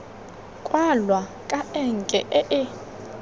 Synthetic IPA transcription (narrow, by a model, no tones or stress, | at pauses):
kʼwalwakʼaɛŋkʼɛʔɛʔɪ